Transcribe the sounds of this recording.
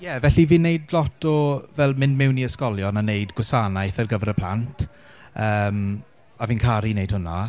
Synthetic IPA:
jɛvɛɬiviːnːejdlɔtʰɔvɛlˠmɪnmɪwniəskɔlˠjɔnaneɨdɡwʊsanajθɛrɡəvəɾəpʰl̥ˠantʰ | əːm | aviːnkʰaɾinejd̥hʊna

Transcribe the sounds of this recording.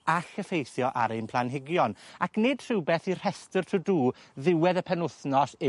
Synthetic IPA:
axəfejθjɔʔa̰ɾejnpʰlˠanɦɪɡjɔnakʰnɪːd̥tr̥ɪwbeθir̥ɛstərtʰuduːðɪwɛðəpʰɛnʊθnɔsɪ

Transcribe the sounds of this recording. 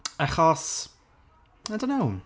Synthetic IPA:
ɛχɔs | ajdõnːoʊ

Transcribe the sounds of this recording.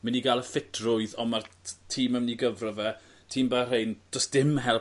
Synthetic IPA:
mɪniɡalˠəfɪtʰrʊɨðɔmartʰiːməmniɡəvrɔvɛ | tʰiːmbarejndɔsd̥ɪmɦɛlˠ

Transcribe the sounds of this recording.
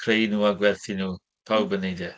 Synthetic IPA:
kʰɾejnuːaɡwɛlθinuː | pʰawbənedɛ

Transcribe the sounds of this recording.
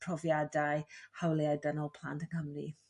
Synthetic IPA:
pʰr̥ɔvjadajhawlˠeajdənɔlˠpʰl̥ˠa̰ntʰənhəmri

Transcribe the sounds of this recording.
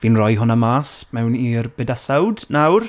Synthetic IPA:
viːnrɔjɦʊnamaːsmɛwniːrb̥ɛdasawdnawr

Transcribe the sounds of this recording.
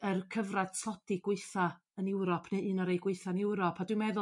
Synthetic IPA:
ərkʰəvrad̥sɔd̥iɡ̥wɪɨθa | ənɛwɾɔpʰneɨnɔɾejɡwɪɨθanɪwɾɔpʰadwɨmɛðʊ

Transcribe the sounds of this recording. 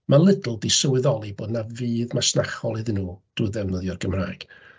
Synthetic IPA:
mʔalˠɪdl̩ˠdisəwɪðɔlˠiboːdnaviːðmasnaχɔlˠɨðɨnuːd̥uðɛmnəðjɔrɡəmraːjɡ̥

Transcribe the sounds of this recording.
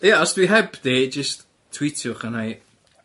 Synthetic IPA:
jaɔsd̥wiɦɛbded͡ʒəst | tʰːw̥itʰjʊχanaj

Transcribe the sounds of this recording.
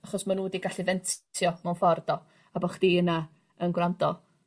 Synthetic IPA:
aχɔsmanuːdiɡaɬivɛntʰjɔmanfɔrdɔ | abɔχd̥iːəna | ənɡwrandɔ

